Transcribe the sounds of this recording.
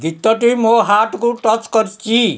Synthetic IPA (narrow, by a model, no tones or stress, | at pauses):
ɡit̪ːʌʈimoɦaʈkoʈʌt͡skʌɾt͡si